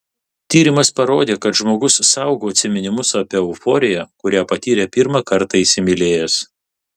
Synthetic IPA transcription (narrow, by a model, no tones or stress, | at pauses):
t̪ʲiːɾʲɪmɐspɐɾoːd̪ʲeːkɐt̪ʒmoːɡʊssɐˑʊɡoːɐt̪ʲsʲɪmʲɪnʲɪmʊsɐpʲɛʊfoːɾʲɪjækʊɾʲæːpɐt̪ʲiːɾʲepʲiɾmɑkɐɾt̪ɑisʲɪmʲɪlʲeːjɛs